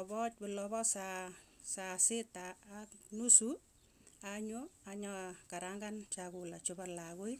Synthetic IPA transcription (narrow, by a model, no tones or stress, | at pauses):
ɔbɔt̚bʊlɔβɔsa | sasɪtaːknusu | aɲoaɲɔkaɾaŋɡant͡ʃakulat͡ʃʊbalakʊj